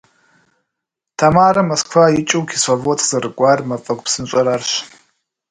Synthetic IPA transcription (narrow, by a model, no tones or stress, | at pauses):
tʰamaːɾɐmoskʰfajɪt͡ʃʼɨwkʰisovotʰz̥ɐɾɨkʷʼaːrmɐfʼɐkʷʼpsɨnɕʼɐɾarɕ